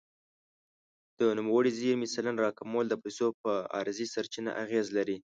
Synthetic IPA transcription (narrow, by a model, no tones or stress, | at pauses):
d̪̥ənumawəɽiziɾmɪsalanɾɑkamold̪əpajsop̚əɑ̰ɾzisaɾt͡ʃina̰ʔaɣezlaɾi